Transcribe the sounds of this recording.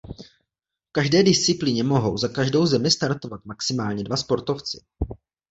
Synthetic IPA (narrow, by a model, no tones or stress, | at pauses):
fkaʒdɛːdɪst͡sɪpliɲɛmo̞ɦo̞wzakaʒdo̞wzɛmɪst̪aɾt̪o̞vat̪̚maksɪmaːlɲɛdvaspo̞ɾt̪o̞ft͡sɪ̥